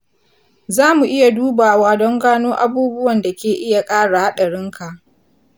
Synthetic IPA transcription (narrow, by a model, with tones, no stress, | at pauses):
zaː˦mu˨ʔɪ˦ja˨duː˦baː˨waː˦dɔ˦ŋɡaː˦noː˦ʔa˦buː˦bʊ˦wɐ˨nda˨kʲeː˨ʔɪ˦ja˨kʼaː˦ɽa˨ha˦ɗa˨ɽɪ˦ŋka˨ʔ